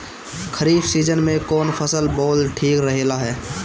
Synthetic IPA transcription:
kʰəɾiːbsiːd͡ʒənmẽkɔːnpʰəsəlboːlʈʰiːkɾəɦelaɦɛː

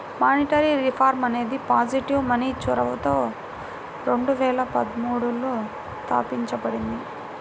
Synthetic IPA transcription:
maːniʈɐɾiɾipʰaːɾmɐne̞ːd̪ipaːd͡ʒiʈiʋmɐniːt͡ʃuɾɐʋɐt̪oː | ɾe̞ɳɖuʋɛːlɐpɐd̪ɐmuːɽulu | st̪a̰ːpiɲt͡ʃɐbɐɽind̪i

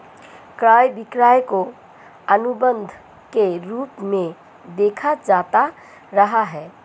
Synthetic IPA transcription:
kɾaːjbɪkɾaːjko | ənʊbə̃nd̪ʱ | keɾuːpmẽ | d̪eːkʰad͡ʒaːt̪a | ɾɐɦaɦɛː

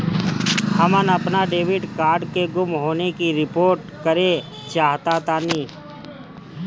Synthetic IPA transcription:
həmənɐpnaɖeːʋɪɖkaːɾɖkeɡʊmɦoːnekiɾɪpoːɾʈ̚ | kəɾe | t͡ʃaːɦt̪at̪anĩː

